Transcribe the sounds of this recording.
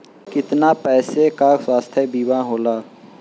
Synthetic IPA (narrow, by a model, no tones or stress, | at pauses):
kɪt̪naːpɛːsekaːswaːst̪ʰebiːwãːɦoːlaː